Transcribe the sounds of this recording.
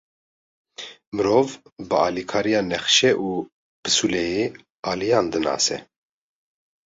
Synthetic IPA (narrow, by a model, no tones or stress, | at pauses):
mɨɾoːvbɨɑːlikʰɑːɾijɑːnɛxʃɛʔuː | pʰɨ̥sulɛje | ɑːlijɑːnd̪ɨnɑ̰ːsɛ̰